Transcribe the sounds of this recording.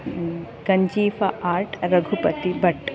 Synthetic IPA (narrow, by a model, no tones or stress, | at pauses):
ɡɐɲd͡ʒiːfɐʔaːɾʈɾɐɡʱupɐt̪ibɐʈː